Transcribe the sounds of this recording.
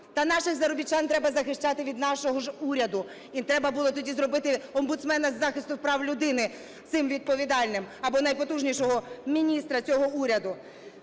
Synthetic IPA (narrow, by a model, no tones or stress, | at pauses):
t̪ɐnɑʃɪxzɐɾɔbʲit͡ʃːɑnt̪ɾɛbɐzɐxɪʃt͡ʃɑt̪ɪʋʲid̪nɑʃɔɦɔʒuɾʲɐd̪ʊ | it̪ɾɛbɐbulˠɔt̪ɔdʲizɾɔbɪt̪ɪɔmbʊt̪smɛnɐzːɑxɪst̪ʊpɾɑwlʲʊd̪ɪnɪ | sɪmʋʲid̪̚pɔʋʲid̪ɑlʲnɪmɐbɔnɐjpɔt̪uʒnʲiʃɔɦɔmʲinʲist̪ɾɐt͡sʲɔɦɔuɾʲɐd̪ʊ